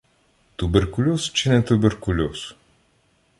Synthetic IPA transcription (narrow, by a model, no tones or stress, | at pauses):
t̪ubɛɾkulʲost͡ʃɛnɛt̪ubɛɾkulʲos